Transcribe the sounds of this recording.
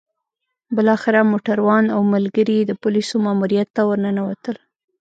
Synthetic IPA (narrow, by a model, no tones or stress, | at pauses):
bɪlɑxɪɾamoʈaɾwɑnawmalɡəɾid̪əpʊlisomɑmuɾijat̪ːawəɾnənawat̪əl